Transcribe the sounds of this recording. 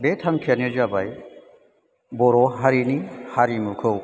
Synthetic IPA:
betʰaŋkʰianed͡ʒabaj | bɔɾɔɦaɾinihaɾimukʰɯw

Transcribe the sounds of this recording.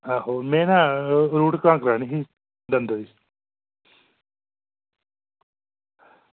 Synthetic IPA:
aːɦoːmɛ̃ːnãːɾuːʈkãːkɾaːniɦi | d̪ənd̪əis

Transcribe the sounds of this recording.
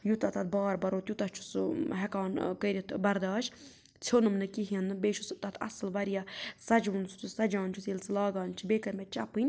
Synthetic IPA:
jut̪ɐt̪ɐt̪̚ʰbaːɾbɐɾoːt̪jut̪ɐt͡ʃʰu̥sɦɛkaːnkəɾʲit̪bɐɾd̪aːʃ | t͡sʰonɨmnɨkiɦiɐnɨbeːʃʰust̪ɐt̪ʰɐ̰sɨlʋɐɾjaːsɐd͡ʒunsu̥t̪ʰusɐd͡ʒaːnt͡ʃʰusjelt͡sɨlaːɡaːnt͡ʃʰibeːkɐɾmett͡ʃɐpɨnʲ

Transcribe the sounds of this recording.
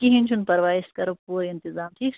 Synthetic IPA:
kiɦinʲt͡ʃʰunpɐɾʋaːɪskɐɾopuːɾɪ̃nt̪ɪzaːmʈ̪ʰiːks

